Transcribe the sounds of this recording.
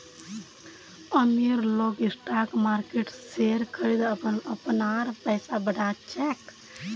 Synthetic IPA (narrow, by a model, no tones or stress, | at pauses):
əmiɾloɡisʈakmaɾkeʈseɾkəɾid̪əpənəpnaɾpəɪsabəɽat͡ʃɛk